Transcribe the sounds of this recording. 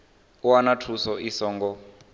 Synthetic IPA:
uanatʰusɔʔisɔːŋɡɔ

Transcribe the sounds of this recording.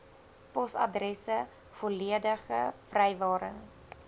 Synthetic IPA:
pɔsɐ̰drɛsə | foliədəχəfrɛjvɑːɾə̰ŋs

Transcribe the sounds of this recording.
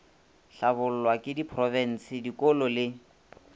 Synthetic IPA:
ɬabʊl̩lwakʼɪdipʰrɔvɛn̩sɪdikʼɔlɔlɪ

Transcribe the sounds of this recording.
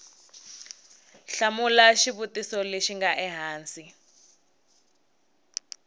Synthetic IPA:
ɬamulaʃiβutisɔleʃiŋɡaʔɛɦaːnsi

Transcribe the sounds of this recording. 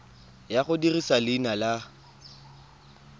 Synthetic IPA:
jaχʊdirisalɪnala

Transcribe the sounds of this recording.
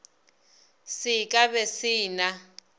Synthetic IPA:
sikʼaβesiːna

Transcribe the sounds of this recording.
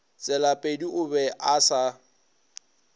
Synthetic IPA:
t͡sʼɛlapʼediʊbɛʔasa

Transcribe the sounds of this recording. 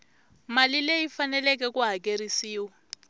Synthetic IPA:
malilejifanɛlɛk̬ɛkuɦakeɾisiːwa

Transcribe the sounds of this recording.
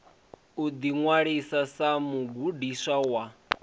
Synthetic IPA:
ud̪iŋwaɺisasamuɡudisawa

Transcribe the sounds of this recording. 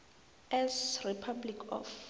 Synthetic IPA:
ɛsripʰablikʰɔ̰f

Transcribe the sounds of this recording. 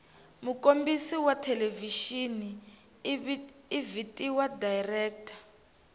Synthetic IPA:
mukombisiwatʰɛleviʃini | vitʼiwadajrɛːk̚tʰḁ

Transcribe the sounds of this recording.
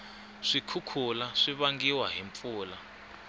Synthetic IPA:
ʂikʰukʰulaʂiβaŋɡiwaɦiɱfuːla

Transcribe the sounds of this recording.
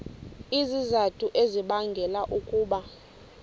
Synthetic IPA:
izizatʰʼuʔeziɓaŋɡʱɛlaʔukʼuːɓa

